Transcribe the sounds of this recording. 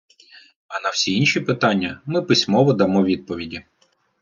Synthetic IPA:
ɐnɐwsʲiinʲʃʲipɪt̪ɑnʲːɐmɪpɪsʲmɔʋɔd̪ɐmɔʋʲid̪̚pɔʋʲidʲi

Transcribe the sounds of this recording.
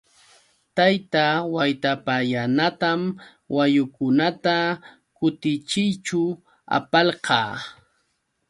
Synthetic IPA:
t̪ajt̪awajt̪apajanat̪am | wajʊkʊnat̪a | kʊt̪ɪt͡ʃɪjt͡ʃʊ | a̰pɑlqɑː

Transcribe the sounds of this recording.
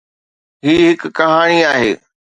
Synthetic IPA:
ɦiːɦɪkkɐɦaːɽ̃iaːɦḛː

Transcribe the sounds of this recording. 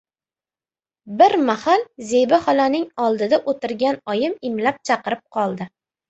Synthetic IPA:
bɪɾmahalzebɪhɒlanɪŋɒlˠd̪ɪd̪aʔot̪ɪɾɡʲanɒjɪmɪmlap̚t͡ʃʰɑqɨɾɪp̚qʰɒlˠd̪ɪ

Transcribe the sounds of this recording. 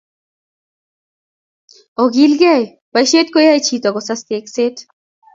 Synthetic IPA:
ɔɡilɡɛj | pajʃet̪̚kojajt͡ɕʰit̪ɔɡɔsast̪ekset̪

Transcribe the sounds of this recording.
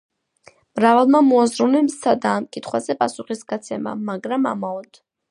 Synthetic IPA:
mɾavalˠmamɔazɾunɛmsad̪aːmkʼit̪ʰχwazɛpʼasuχisɡ̥at̪sʰɛma̰maɡɾama̰maɔd̪̥

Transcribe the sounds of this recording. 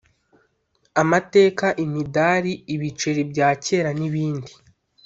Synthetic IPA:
amate̞ːkaʔimidaɾiːβit͡ʃe̞ɾibɟaːce̞ːɾaniβiːndi

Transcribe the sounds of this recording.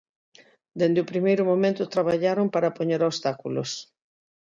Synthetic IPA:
d̪end̪ɪopɾimejɾʊmomẽnt̪ʊt̪ɾaβaʎaɾompaɾɐpoɲeɾost̪akulo̰s

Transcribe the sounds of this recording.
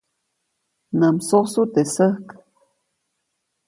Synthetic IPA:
nəmsosut̪esəhk

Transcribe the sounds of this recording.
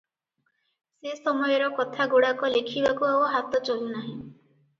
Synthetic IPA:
sesɔmɔjɔɾɔkɔt̪ʰaɡoɽakɔlekʰibakuauɦat̪ɔt͡ʃɔlinaɦĩ

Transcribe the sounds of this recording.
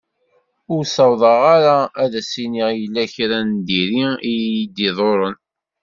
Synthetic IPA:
ʊɾsɑwðˤɑʁaɾaæðæsiniʁjəlːæçɾænd̪iɾiijjid̪ːiðˤoɾˤən

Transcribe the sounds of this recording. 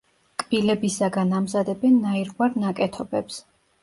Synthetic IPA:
kʼb̥ilɛbisaɡanamzad̪ɛbɛnːaiɾɡwaɾnakʼɛt̪ʰɔbɛps

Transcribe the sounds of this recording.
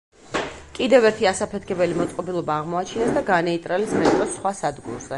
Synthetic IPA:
kʼid̪ɛvɛɾt̪ʰiasapʰɛt̪ʰkʰɛbɛlimɔt̪sʼqʼɔbilˠɔbaːʁmɔat͡ʃʰinɛsd̪aɡanɛit̪ʼɾalismɛt̪ʼɾɔsːχwasad̪ɡṵɾzɛ

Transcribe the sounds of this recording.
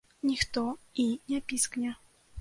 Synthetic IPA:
nʲixt̪oinʲapʲisknʲɛ

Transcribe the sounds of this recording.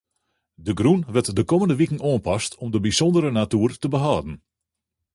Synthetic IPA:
dəɡrunʋɛrtdəkoməndəʋikən̩oənpɑstʰɔmdəbisɔndəɾənatyːrtəbəɦaːdn̩

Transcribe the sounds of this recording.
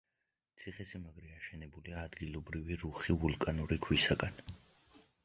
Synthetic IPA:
t̪sʰiχɛsimaɡɾɛaʃɛnɛbuliaːd̪ɡilˠɔbɾiviɾuχivulˠkʼanuɾikʰwisaɡan

